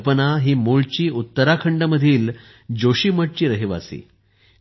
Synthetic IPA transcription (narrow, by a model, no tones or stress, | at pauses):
pənaɦiːmuɭt͡ɕiːut̪ːəɾakʰəɳɖəməd̪ʱiːl | d͡ʑoɕiːməʈ̚t͡ɕiːɾəɦiʋa̰sḭː